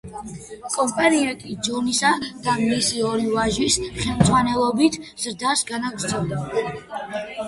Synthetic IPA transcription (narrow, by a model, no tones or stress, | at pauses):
kʼɔmpʼaniɛnt̪ʼid͡ʒɔnisad̪̥amlisiɔɾivaʒwisχɛlˠmd̪zʼʁwanɛlˠɔbit̪ʰz̥ɾd̪asɡanaɡɾt̪sʰɔd̪ɛ